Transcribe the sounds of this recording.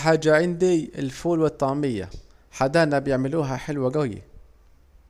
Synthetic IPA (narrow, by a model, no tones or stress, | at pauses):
ħaːd͡ʒːaʕɪnd̪iɪlfuːlwɪt̪ˤːɑʕmɪjːa̰ | ħad̪aːnabjɪʕmɪluːɦaħɪlwaɡajḭ